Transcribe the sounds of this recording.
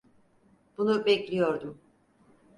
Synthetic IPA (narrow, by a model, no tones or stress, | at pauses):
b̥unubɛclʲijo̞ɾd̪um